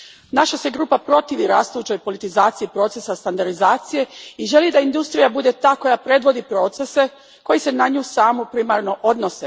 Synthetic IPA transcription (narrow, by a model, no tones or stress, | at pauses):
naʃaseɡɾuːpapɾo̞t̪iʋiɾaːst̪ujuːt͡ɕo̞jpo̞lit̪izaːt̪siipɾo̞tse̞sast̪and̪aɾd̪izaːt̪sije̞iʒe̞lid̪aind̪ust̪ɾijabud̪e̞t̪aːko̞japɾe̞d̪ʋo̞d̪ipɾo̞ːt̪se̞se̞ | ko̞jise̞naɲuːsaːmopɾimaɾno̞ʔo̞d̪no̞se